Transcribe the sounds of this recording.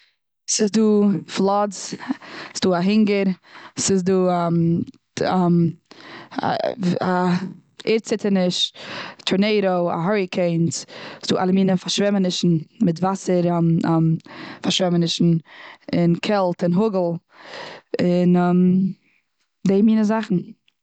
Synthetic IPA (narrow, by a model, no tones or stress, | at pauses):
sɪzduːflˠɔz | sd̥uːaɦɪŋɡəɾsɪz̬duːm | m̰ | a | eɾt͡sɪtənɪʃtʰʊɾneɪɾoʊa̰ɦɔɹɪkʰeɪnssd̥uːʔalˠəmiːnəfaɾʃvɛmənɪʃn̩mɪtvasəɾmfaɾʃvɛmənɪʃn̩ɪnkʰɛlˠtɪnɦʊɡl̩ˠ | ɪnɛm | deɪmiːnəzaχn̩